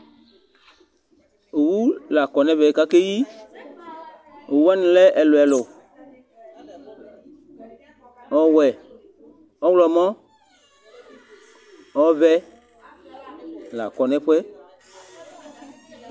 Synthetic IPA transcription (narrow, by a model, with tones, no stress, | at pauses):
o˨wu˦la˨kɔ˨nɛ̃˦vɛ˨ka˦ke˦ji˦ | o˨wu˦wa˦nĩ˨lɛ˦ʔɛ˨lo˨ɛ˨lʊ˨ | ɔ˨wɛ˨ | ɔ˦wlɔ˨mɔ̃˦ | ɔ˦vɛ˦ | la̰˨kɔ˨nɛ̃˦ɸʷɛ˦